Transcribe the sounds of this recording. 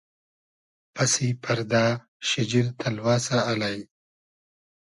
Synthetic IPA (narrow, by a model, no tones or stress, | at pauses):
pɐsipʰɐɾd̪aː | ʃɪd͡ʑiɾt̪ʰɐlwaːsaːlaj